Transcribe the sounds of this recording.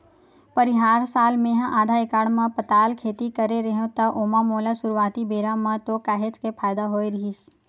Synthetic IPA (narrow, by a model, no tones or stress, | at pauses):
pəɾiɦaːɾsaːlmẽɦãʔaːd̪ʱaekaɽmãpət̪aːlkʰeːt̪ikəɾeɾəɦẽt̪aʔomãmolasʊɾʋaːt̪ibeːɾamãt̪okaɦet͡ʃkepʰaːjd̪aɦoːjɾəɦis